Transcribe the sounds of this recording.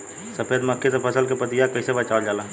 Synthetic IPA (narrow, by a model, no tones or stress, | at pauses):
səpʰeːd̪məkʰːesepʰəsəlkepət̪ijakəɪsebət͡ʃaːold͡ʒaːla